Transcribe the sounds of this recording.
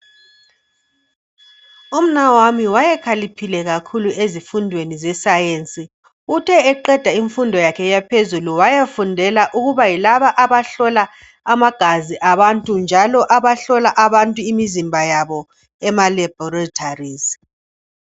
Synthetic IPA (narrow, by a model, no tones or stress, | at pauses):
um̩nawamiwajɛkʰalipʰilɛɣakʰuluʔezifundʱwenizɛsajent͡sʼi | utʰɛːǃɛd̥ʱaiɱfundʱɔjakʰɛjapʰezuluwajafundʱɛlaʔuɣuβajilaβaʔaβaɬɔlaː | maɡ̥ʱaziʔaβantʼund͡ʒʱalɔʔaβaɬɔlaʔaβantʼuimizimbʱajaβɔ | ɛmalɛbʱɔratʰariːz